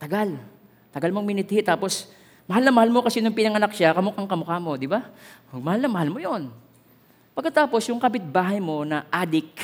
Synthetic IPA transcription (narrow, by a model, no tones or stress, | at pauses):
t̪ɐɡal | t̪ɐɡalmoŋmɪnɪt̪hɪt̪aːpo̞s | mɐhalnɐŋmɐhalmo̞kɐsɛnʊŋpɪnɐŋɐnak̚ʃakɐmʊkaŋkɐmʊkamo̞d̪ɪbamɐhalnɐŋmɐhalmo̞jo̞n | pɐɡkːɐt̪aːpo̞sjʊŋkɐbɪt̪̚baːɦɐjmo̞nɐʔaːd̪ɪk̚